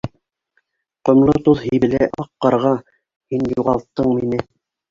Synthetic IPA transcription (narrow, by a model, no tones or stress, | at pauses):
qŏmlˠot̪uðhĭjβɘ̆læʔɑqːɑɾʁɑ | hinjuʁɑlˠt̪ːɤɴminɘ